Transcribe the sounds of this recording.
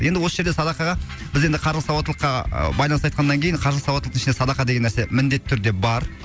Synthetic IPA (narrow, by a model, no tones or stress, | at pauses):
je̞nd̪ɪwo̞səʒed̪esɑd̪ɑqɑʁɑb̥ɪzend̪ɪqʰɑɾˠəsɑwɑt̪əlˠə̥qːɑ̰bɑjlˠɑnsɑjt̪qʰɑnːɑŋkʲʰe̞jɪɴqʰɑɾlˠəsɑwɑt̪ət̪əɪʃnesɑd̪ɑqɑd̪e̞ɡʲe̞nːæɾse̞mɪnd̪e̞t̪ːʰʏɾd̪e̞bɑɾ